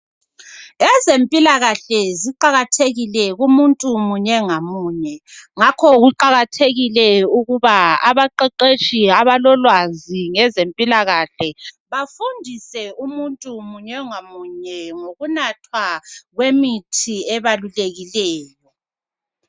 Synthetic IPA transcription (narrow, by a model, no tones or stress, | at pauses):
ɛzempʼilaɣaɬɛziǃaɣatʰeɣilɛɣumuntʼumuɲɛŋamuːɲɛŋakʰɔɣuǃaɣatʰeɣilɛuɣuβaaβaǃɛǃet͡ʃʼiaβalɔlwaziŋɛzempʼilaɣaɬɛ | βafundʱisɛumuntʼumuɲɛŋamuɲɛŋoɣunatʰwaɣwemitʰiɛβaluleɣilɛːjɔ